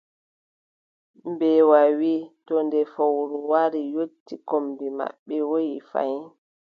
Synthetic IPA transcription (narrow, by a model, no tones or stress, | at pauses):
mbɛwawitɔndɛfowɾuwaɾijotːikombima̰ɓːɛwojifa̰j